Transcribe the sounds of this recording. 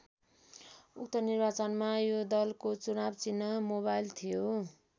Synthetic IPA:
uk̚t̪ʌnirbat͡sʌnmajod̪ʌlkot͡sunabt͡sinːʌmoβajlt̪ʰijo

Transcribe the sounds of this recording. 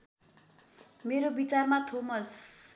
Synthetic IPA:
meɾobit͡sarmat̪ʰomʌs

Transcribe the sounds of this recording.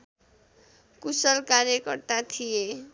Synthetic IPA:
kusʌlkaɾjʌkʌrt̪at̪ʰije

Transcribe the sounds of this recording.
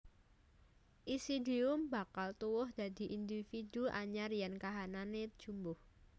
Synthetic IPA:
ʔisid̪iʊmba̤kalt̪uwʊhd̪̥a̤d̪̥i̤ʔind̪ifid̪uʔa̰ɲarjankaɦananed̥ʒ̥umbʊh

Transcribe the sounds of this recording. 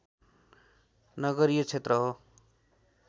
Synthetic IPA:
nʌɡʌɾijʌt͡sʰet̪rʌɦo

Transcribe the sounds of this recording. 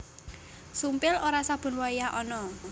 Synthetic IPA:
sumpɪloɾasab̥ʊ̤nwajjaʔɔnɔ

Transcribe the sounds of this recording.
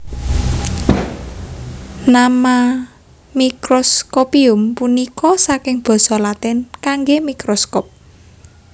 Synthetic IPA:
nama | mikɾɔskopiʊmpunikɔsakɪŋb̥ɔ̤sɔlat̪ɛnkaŋɡemikɾɔskɔp̚

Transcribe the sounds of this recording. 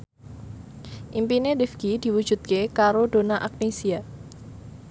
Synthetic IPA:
ʔimpinedifɡ̥id̥i̤wu̥d͡ʒ̥ṳt̪̚kekaɾod̥o̤naʔak̚nisia

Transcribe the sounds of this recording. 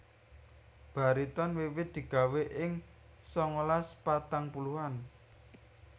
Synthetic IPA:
b̥a̤ɾit̪ɔnwewɪd̪̥i̤ɡ̥a̤weʔɪŋ | sɔŋəlaspat̪aŋpuluhan

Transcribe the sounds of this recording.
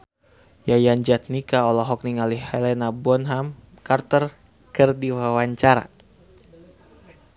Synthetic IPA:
jajaɲd͡ʒat̪̚nikaɔlɔɦɔk̚niŋalihhɛlɛnabɔnɦam | kart̪ər | kɨrdiwawaɲt͡ʃaɾa̰

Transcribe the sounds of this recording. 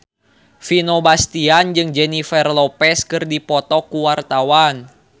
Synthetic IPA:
finobast̪iand͡ʒɨŋd͡ʒɛnifɛrlɔpɛskɨrdipɔt̪ɔkuwart̪awan

